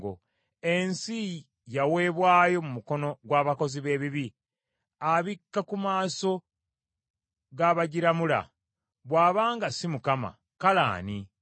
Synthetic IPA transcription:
ɡo̰ | e̞nsi | jawe̞ːβwaːjo̞mumuko̞no̞ɡwaːβako̞ziβe̞ːβiβi | aβikːakumaːso̞ | ɡaːβaɟiɾamula̰ | βwaːβaːŋɡasimukama̰ | kala̰ːni

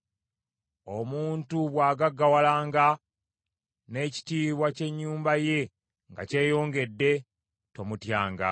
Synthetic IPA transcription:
o̞muːntuβwaːɡaɡːawalaːŋɡa | ne̞ci̥tiːβwace̞ɲːuːmbaje̞ | ŋɡa̰ce̞ːjo̞ːŋɡe̞dːe̞ | to̞mutjaːŋɡa̰

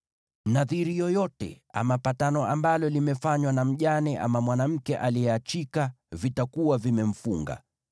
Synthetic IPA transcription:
naðiɾijɔjɔtɛ̰ | a̰mapatanɔʔambalɔlimɛfaɲwanam̩ʄanɛʔa̰mamwanam̩kɛʔalijɛat͡ʃika | vitakuwavimɛm̩fuŋɡa̰

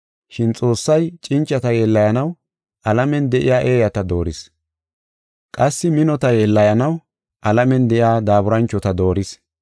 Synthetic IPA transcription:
ʃɪnt͡sʼo̞ːsːɐjt͡ʃʼɪnt͡ʃʼːɐt̪ɐjɛlːɐjɐnɐw | ʔɐlɐmɛnd̪ɛʔɪjaːʔe̞ːjɐt̪ɐd̪o̞ːɾɪs | kʼɐsːɪmɪnɔt̪ɐjɛlːɐjɐnɐw | ʔɐlɐmɛnd̪ɛʔjaːd̪aːbʊɾɐnt͡ʃːɔt̪ɐd̪o̞ːɾɪs

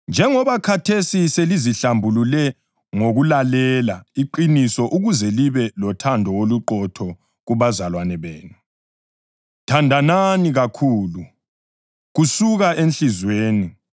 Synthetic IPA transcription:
nd͡ʒʱɛŋɔβakʰatʰesiseliziɬambʱululɛ | ŋoɣulalɛlaiǃinisɔʔuɣuzɛliβɛlɔtʰandʱɔwoluǃɔtʰɔ | ɣuβazalwanɛβeːnu | tʰandʱananiɣakʰuːlu | ɣusuɣaʔenɬizweːni

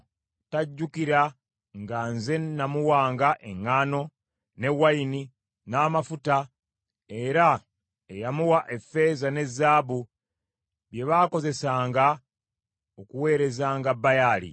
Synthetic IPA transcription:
taɟːukiɾa | ŋɡanze̞namuwaːŋɡaʔe̞ŋːaːno̞ | ne̞waini | naːmafuta | e̞ɾa | ejamuwaʔe̞fe̞zane̞zːaːβu | βje̞βaːko̞ze̞saːŋɡa | okuwe̞ːɾe̞zaːŋɡabːajaːlḭ

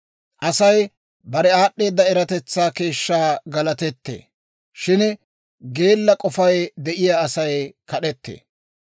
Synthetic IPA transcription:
ʔɐsɐj | bɐɾɛaːɗːe̞ːd̪ːɐɛɾɐt̪ɛt͡sːaːke̞ːʃːaːɡɐlɐt̪ɛt̪ːḛː | ʃɪn | ɡe̞ːlːɐkʼɔfɐjd̪ɛʔɪjaːsɐjkɐɗɛt̪ːḛː

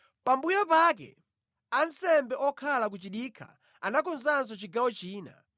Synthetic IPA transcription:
pambujɔpakɛ̰ | ansɛmbɛʔɔkʰalak̬ut͡ʃiɗikʰa̰ | anakʰɔnzans̬ɔt͡ʃiɡawɔt͡ʃiːna̰

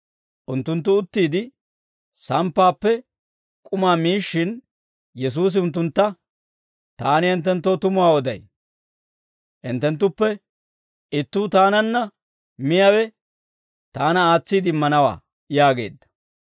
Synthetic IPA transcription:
ʔʊnt̪ːʊnt̪ːʊʊt̪ːiːd̪ɪ | sɐmpːaːpːɛ | kʼʊmaːmiːʃːɪn | jɛs̬uːs̬ɪʊnt̪̬ːʊnt̪ːɐ | t̪aːnɪɛnt̪ːɛnt̪ːoːt̪ʊmʊwaːɔd̪ɐ̰j | ʔɪnt̪ːɛnt̪̬ːʊpːɛ | ɪt̪ːuːt̪aːnɐnːɐ | mɪjɐwɛ | t̪aːnɐaːt͡sːiːd̪ɪmːɐnɐwa̰ː | jaːɡe̞̰ːd̪ːɐ̥

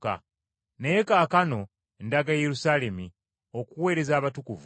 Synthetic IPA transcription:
ka̰ | neekaːkano̞ | endaɡajeɾusaːle̞mi | o̞kuwe̞ːɾe̞zaːβatukuvu

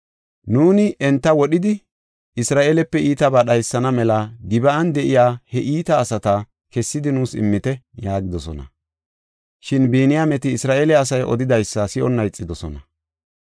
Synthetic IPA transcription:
nuːnɪʔɛnt̪ːɐwɔɗɪd̪ɪ | ɪsɾaːʔeːlɛpːɛʔiːt̪ɐbaːɗɐjsːɐnɐmɛlɐɡɪbɐɐnd̪ɛʔɪjaːhɛʔiːt̪ɐːsɐt̪ɐ | kɛsːɪd̪ɪnuːsɪ̰mːɪt̪ɛjaːɡɪd̪ɔsɔ̰nɐ̰ | ʃɪnbiːnɪjamɛt̪ɪːsɾaːʔelɛɐs̬ɐjʔɔ̰d̪ɪd̪ɐjsːɐsɪʔɔnːɐjt͡sʼːɪd̪ɔsɔ̰nɐ

